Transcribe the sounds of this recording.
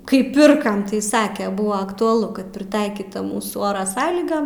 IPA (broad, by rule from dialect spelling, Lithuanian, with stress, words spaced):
kɐɪ ˈpʲɪrkɐm tɐɪ ˈsɑːkʲɛ ˈbʊɐ ɐktʊɐˈlˠʊ kɐt pʲrʲɪˈtɐɪkʲiːtɐ ˈmuːsuː ˈoːrɐ ˈsɑːlʲiːɡɐm